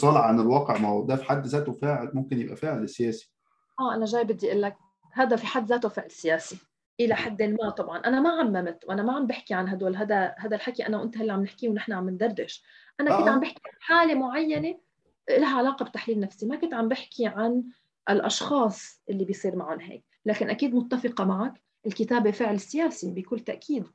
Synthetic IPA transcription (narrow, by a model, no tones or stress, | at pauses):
sˤɑlʕʕanɪlwɑːqeʕmaʕʊd̪æfi̥ħad̪ːzæːt̪ofaːʕɪlmʊmkɪnjɪbʔæ̰faːʕɪlɪsɪjæːsi̥ | ʔaːʔanaʒaːjbɪd̪ːiʔɪlːak̚ | haːd̪afiħad̪ːzaːt̪ofɪʕlsɪjaːsi | ʔɪlaħad̪ːɪlmat̪ˤɑbʕɑnʔanamaʕamːamt̪wʔanamaʕambɪħkiʕanɦad̪walɦaːd̪ahaːd̪alħakiʔanawʔɪnt̪halːiʕamnɪħkiwnɪħnaʕamːɪnd̪ɑrˤːɪʃʔanakɪnt̪ʕambɪħkiʕʕanħaːlemʊʕajːane | ʔɪlaɦaʕalaːqɑbt̪aħliːlnafsimakʊnt̪ʕambɪħkʰiʕan | ʔɪlʔɑ̰ʃxɑːsˤʔɪlːibɪjsˤiːɾmaʕʊnɦḛːk | laːkɪnʔakiːd̪mʊt̪ːafɪqɑmaʕak | ʔɪlkɪt̪aːbefɪʕlɪsːɪjaːsibɪjkuːlt̪aʔkʰiːd̪